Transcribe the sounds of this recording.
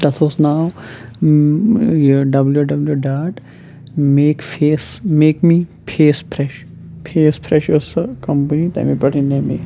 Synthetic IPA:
d̪ɐt̪ʰoːsnaːw | joɖɐbljuɖɐbljuɖaːʈ | meːkfeːsmeːkmiːpʰeːspʰɾɛʃ | pʰeːspʰɾɛʃoskɐ̃mpənit̪ɐ̰mipɐʈʰinemḭ

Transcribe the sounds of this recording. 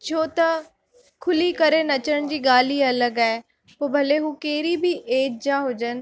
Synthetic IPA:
t͡ʃʰoːt̪ɐ | kʰʊliːkəɾenɐt͡ʃəɳ̃d͡ʑiːɡaːliːɐləɡae | poːbʱɐleɦũːkeːɾibʱiːʔeːd͡ʒ̚d͡ʒaɦod͡ʒən

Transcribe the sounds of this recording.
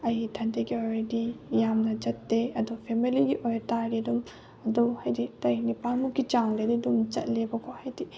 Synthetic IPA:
ɐjtʰɐndeɡiojdijamnɐd͡ʒɐtːeɐdupʰemiliɡiʔojɾtaɾidum | ɐdumhajditɐjnipaŋmukɡit͡ʃaŋdedidumt͡ʃɐ̰t̚lebɐkʰohajdi

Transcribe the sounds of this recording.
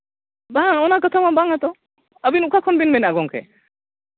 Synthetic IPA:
baɔnakət̪ʰamabaŋat̪ɔ | əbinukʰakʰɔnbinmɛnaɡɔŋkʰɛ̰

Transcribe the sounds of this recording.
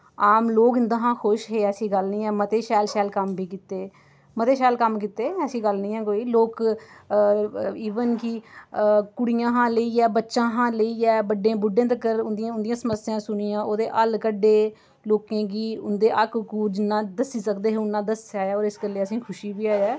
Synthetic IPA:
aːmloːkɪnd̪ãːɦãːxʰʊʃɦeːəsĩːɡəlnĩːɛːmət̪eːʃɛːlʃɛːlkəmbʱiːkɪt̪eː | mət̪eːʃɛːlkəmkɪt̪eːəsĩːɡəlnĩːɛ̃ːkoːiːloːk | iːʋənkiː | kʊɽijãːɦãːləiːɛːbətːʃãːɦãːləiːɛːbəɖẽːbʊɖːẽːd̪ekəɾʊnd̪ɪjãːʊnd̪ɪjãːsəməɾsɪjãːsʊnɪjãːʔoːd̪eːʔəlkəɖːeː | loːkẽːɡiːʊ̰nd̪eːʔəkkuːɾd͡ʒɪnːãːd̪əsiːsəkd̪eːɦeʊnːãːd̪əsaːaːɔːɾɪskəleːəsĩːkʰʊʃiːbiːaːjɛː

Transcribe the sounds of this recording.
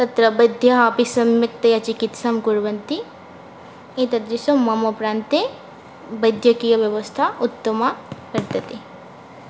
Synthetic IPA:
t̪ɐt̪ɾɐbɐd̪ʱjɐɦɐɐpisɐmjɐk̚t̪ɐjɐt͡ʃikit̪samkuɾʋɐnt̪i | it̪ɐd̪ɾisɐmːɐmɐpɾaːnt̪e | bɐd̪ʱjɐkijɐʋjɐʋɐst̪ʰaut̪ːɐmɐkɐɾt̪ɐt̪e

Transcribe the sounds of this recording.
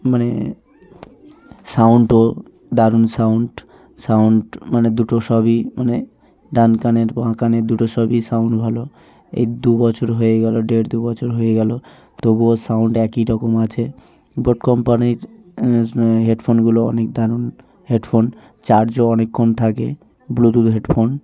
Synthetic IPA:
mane | sauɳʈo | d̪aɾunsauɳʈ | sauɳʈmaned̪uʈoʃɔbimane | d̪ankaneɾbãkaned̪uʈosɔbisauɳʈbʱalo | ḛjd̪ubɔt͡ʃoɾɦoeɡɛloɖeɽd̪ubɔt͡ɕʰoɾɦoeɡɛlo | t̪obuosawuɳʈɛkiɾɔkomat͡ɕʰe | boʈkɔmpaniɾ | ɦeɖfʰonɡuloɔ̰nek̚d̪aɾun | heɖfʰon | t͡ɕaɾd͡ʑoɔnekʰːont̪ʰake | blut̪ud̪ɦeɖfʰon

